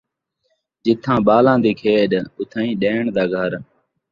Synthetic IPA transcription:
d͡ʒɪt̪ʰãːɓaːlãːd̪iːkʰeːɗʊt̪ʰãːĩːɗeːɳd̪aːɡʱəɾ

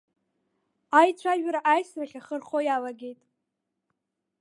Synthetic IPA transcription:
ajt͡ɕʷʰaʒᶣɾaʔajsraχʲaχərχojalaɡʲe̞jtʼ

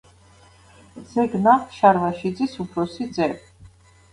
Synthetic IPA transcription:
z̥ɛɡnaχʃaɾvaʃid̪zisupʰɾɔsid̪zɛb

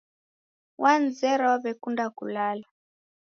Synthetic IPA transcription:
wʔand͡zɛɾaβɛkundakulala

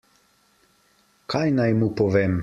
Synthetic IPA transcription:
kʰajnajmupɔʋem

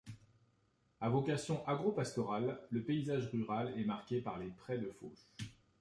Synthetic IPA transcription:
avɔkasjɔ̃ʔaɡʁopast̪ɔʁalːəpeizaʒʁyʁalɛmaʁkʲepaʁlepχɛd̪əfo̰s

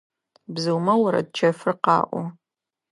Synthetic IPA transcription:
bzɨwmɐwɐɾɐ̰d̚t͡ʃʰɐfɨrqɑ̰ːʔʷɔ

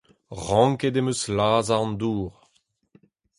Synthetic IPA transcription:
ʁɑ̃ŋked̪emøslaːzaʁɑ̃nd̪uːʁ

